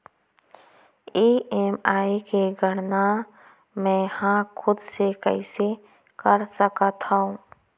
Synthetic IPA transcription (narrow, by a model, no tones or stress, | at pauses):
iːeːmaːikeɡʱəɽna | mɛ̃ːhãkʰʊd̪sekɛ̰ɪse | kəɾsəkət̪aũː